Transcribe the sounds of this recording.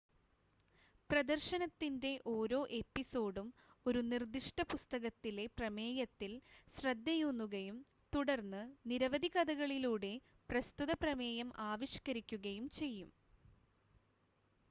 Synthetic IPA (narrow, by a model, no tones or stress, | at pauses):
prɐd̪ɐrɕɐnɐt̪ːinde̞ʔo̞ːɾo̞ːʔe̞pːiso̞ːɽumo̞ɾunird̪iʂʈɐpust̪ɐɣɐt̪ːile̞prɐme̞ːjɐt̪ːilsrɐd̪ːɐjunːuɣɐjum | t̪uɽɐrnːɨniɾɐʋɐd̪ʱiɣɐd̪ɐɣɐɭiluːɽe̞ | prɐst̪uðɐprɐme̞ːjɐmʔaːʋiɕkɐɾikʲːuɣɐjumt͡ɕe̞jːum